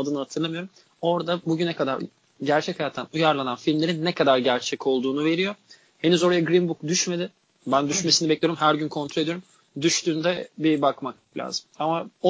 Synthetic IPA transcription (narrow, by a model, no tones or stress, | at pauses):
ad̪ɯnɯhat̪ʰɯɾlˠamɯjo̞ɾum | o̞ɾd̪abuɟynɛkʰad̪a̰ɾ | ɟæɾt͡ʃʰɛcʰajat̪ʰːanujaɾlˠananfilʲmlʲe̞ɾinːɛkʰad̪aɾɟæɾt͡ʃʰɛcʰo̞lˠd̪uːnuve̞ɾijo | he̞nyzo̞ɾajaɡɾimbukd̪yʃme̞d̪ɪ | bænd̪yʃme̞sinibɛclʲejoɾumhæɾɟynkʰo̞nt̪ʰɾoed̪ijoɾum | d̪yʃt̪ʰyːnd̪ɛbibakmak̚lʲa̰ːzɯmamao